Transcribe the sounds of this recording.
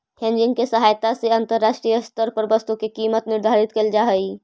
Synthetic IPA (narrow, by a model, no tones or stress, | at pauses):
hẽnd͡ʒɪ̃ŋɡkesəɦaːjt̪aseə̃nt̪əɾːaːʃʈɾijəst̪əɾpəɾbəst̪ukekiːmət̪nɪɾd̪ʱaɾɪt̪keld͡ʒaɦəi